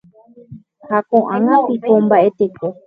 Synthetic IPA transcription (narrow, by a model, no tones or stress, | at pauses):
hakõʔãŋãpikombaʔe̞t̪ekʰo